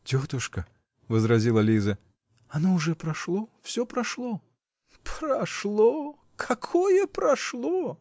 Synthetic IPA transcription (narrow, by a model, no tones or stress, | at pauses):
tʲot̪ʊʂkə | vəzɾɐzʲilˠɐlʲizə | ɐnoʊʐɛpɾɐʂlˠofsʲopɾɐʂlˠo | pɾɐʂlˠo | kʰɐkʰojəpɾɐʂlˠo